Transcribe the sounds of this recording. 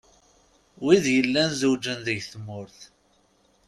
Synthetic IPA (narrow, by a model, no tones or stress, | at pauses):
wiðjəlːænzuwd͡ʒənðəʝθmːʊɾθ